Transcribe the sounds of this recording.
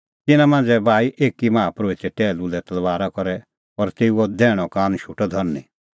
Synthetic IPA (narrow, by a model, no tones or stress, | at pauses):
t̪ɪnãmãːnd͡zɛbʱaːiʔeːkimãːapɾoːit̪ɛʈɛːlulɛt̪ɐlʋaːɾakɔɾɛ | ɔɾt̪eːuɔd̪ɛːɽ̃ɔkaːnʃuʈɔd̪ʱɔɾni